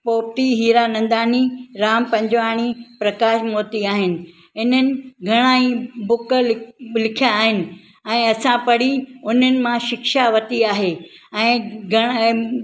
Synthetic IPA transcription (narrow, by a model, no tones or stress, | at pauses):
poːp̚t̪iɦiːɾanɐ̃nd̪aːniɾaːmpɐ̃ɲd͡ʑʋaːɽ̃ipɾɐkaːʃmoːt̪iaːɦɪnɪ̆ | ɦɪn̤ənɪ̆ɡʱɐɽ̃aːĩbʊkllɪkʰijaːɦɪnɪ̆ | ɛ̃ːɐsãpɐɽ̤iʊn̤ənɪ̆mãʃɪkʃaʋɐt̪iaːɦeɛ̃ːɡʱɐɽ̃